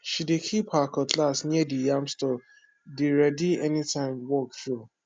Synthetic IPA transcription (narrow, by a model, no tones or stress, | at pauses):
ʃidekʰiphakɔtʰlasnidijãmstɔ | deɹɛdiɛnitʰãɪ̃mwɔk̚tɹu